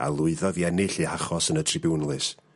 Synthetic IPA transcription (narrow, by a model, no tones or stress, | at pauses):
a̰lˠʊɨðɔðianeɬɨhaχɔsənətʰrɪbunlˠɨs